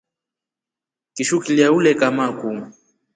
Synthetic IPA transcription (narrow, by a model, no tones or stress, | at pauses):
kiʃukiliaulɛkamakumu